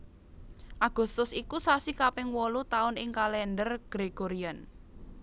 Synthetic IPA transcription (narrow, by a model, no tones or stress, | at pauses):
ʔaɡ̥ʊ̤st̪ʊsikusasikapɪŋwɔlut̪aʊnɪŋkalɛndərɡ̥ɾeɡ̥oɾian